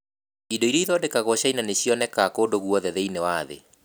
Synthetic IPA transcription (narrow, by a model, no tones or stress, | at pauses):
idɔiɾiiðɔdekaɣɔɕainaneɕiɔnɛkakoːdoɣuɔðɛðɛinewaðḛ